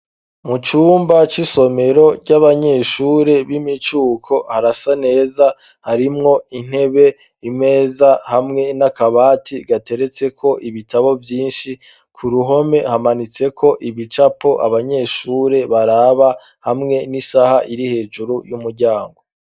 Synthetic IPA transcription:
mut͡ʃuːmbat͡ʃiso̞me̞ɾo̞ɟaβaɲe̞ːʃuːɾe̞βimit͡ʃuːkʰo̞haɾasane̞ːza | haɾimŋo̞in̥he̞βe̞ | imŋe̞ːzahamŋe̞nakaβaːtʰiɡate̞ɾe̞t͡se̞kʰo̞ʔiβitaβo̞vjiːnʃi | kʰuɾuɦo̞me̞hamanit͡se̞kʰo̞ʔiβit͡ʃapo̞ʔa̰βaɲe̞ːʃuːɾe̞βaɾaβa | hamŋe̞nisahaʔiɾihe̞ːd͡ʒuɾujumuɾɟaːŋɡo̞

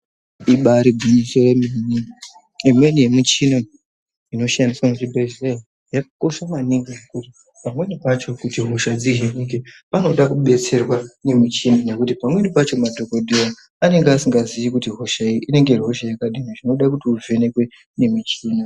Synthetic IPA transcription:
iɓaɾiɡʱuɲisojeminiŋɡi | imwenijemit͡ʃina | ino̞ʃandiswamuʐibeʒei | jakko̞ʃamaniŋɡinekuti | pamwe̞nipat͡ʃo̞kutiɦoʃad͡ziɦeɲiŋɡepano̞ɗakuɓe̞t͡se̞rwane̞mit͡ʃinane̞kutipamwe̞nipat͡ʃo̞madʱokodʱira | ane̞ŋɡeasiŋɡaziʋikutiɦoʃaiine̞ŋɡe̞rɦo̞ʃajakaɗiniʐino̞ɗakutiuvʱe̞ne̞kwe̞ | ne̞mit͡ʃiːna

